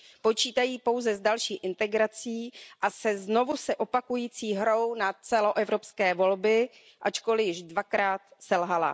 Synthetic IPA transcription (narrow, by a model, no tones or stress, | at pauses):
po̞t͡ʃiːt̪ajiːpo̞wzɛzdalʃiːʔɪnt̪ɛɡɾat͡siːʔasɛzno̞vusɛʔo̞pakujiːt͡siːɦɾo̞wnat͡sɛlo̞ʔɛvɾo̞pskɛːvo̞lbɪ | ʔat͡ʃko̞lɪjɪʒdvakɾaːt̪sɛlɦala̰